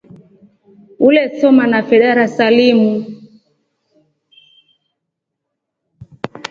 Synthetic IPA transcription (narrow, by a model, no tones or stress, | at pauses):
ulɛsɔmanafɛɗaɾasalimu